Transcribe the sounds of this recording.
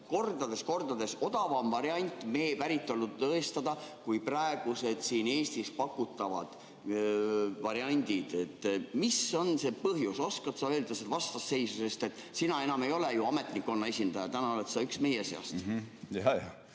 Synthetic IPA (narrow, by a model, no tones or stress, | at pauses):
ko̞rd̪̥ɑd̪e̞sko̞rd̪̥ɑd̪e̞so̞d̪̥ɑvɑmvɑɾjɑnʲt̪ːˑme̞ːpæɾit̪ˑːo̞lnud̪t̪ɤest̪ɑd̪̥ɑkujprɑe̞ɡ̥use̞d̪̥siːne̞ːst̪ispɑkːˑut̪ːˑɑvɑ̰d̪̥ | vɑɾiɑnʲd̪id̪̥e̞t̪ːmiso̞nse̞pɤɦjuso̞skɑt̪sɑøːld̪̥eset̪vɑst̪ɑsːe̞jsuse̞st̪e̞t̪ːˑsinɑenɑme̞jo̞lejuɑme̞t̪ˑnikːˑo̞nːɑesʲind̪̥ɑjɑt̪ænɑolet̪sɑyksme̞jeseɑ̰st̪jɑjɑ